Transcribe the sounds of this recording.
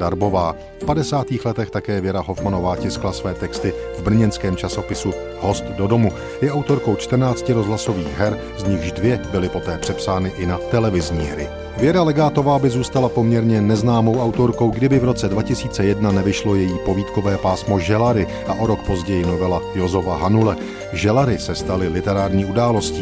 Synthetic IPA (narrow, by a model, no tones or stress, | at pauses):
daɾbo̞vaː | fpadɛsaːt̪iːxlɛt̪ɛxt̪akɛːvjɛɾaɦo̞fmano̞vaːcɪsklasvɛːt̪ɛkst̪ɪvbr̩ɲɛnskɛːmt͡ʃaso̞pɪsu | ɦo̞st̪do̞do̞mu | jɛʔawt̪o̞ɾko̞wt͡ʃt̪r̩naːt͡scɪɾozɦlaso̞viːɣɦɛɾ | zɲɪɣʒdvjɛbɪlɪpo̞t̪ɛːpr̥ɛpsaːnɪʔɪnat̪ɛlɛvɪzɲḭːɦɾɪ̰ | vjɛɾalɛɡaːt̪ovaːbɪzuːst̪alapo̞mɲɛɾɲɛnɛznaːmowʔawt̪o̞ɾko̞wɡdɪbɪvɾo̞t͡sɛdvacɪsiːt͡sɛjɛdnanɛvɪʃlo̞jɛjiːpo̞viːt̪ko̞vɛːpaːsmo̞ʒɛlaɾɪ | ʔaʔoɾo̞kpo̞zɟɛjɪno̞vɛlajo̞zovaɦanulɛ | ʒɛlaɾɪsɛst̪alɪlɪt̪ɛɾaːɾɲiːʔudaːlo̞sciː